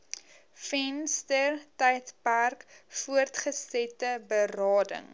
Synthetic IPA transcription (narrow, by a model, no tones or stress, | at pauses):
fɛnstərtɛjtpærkfuərtχəsɛtəbərɑːdə̰ŋ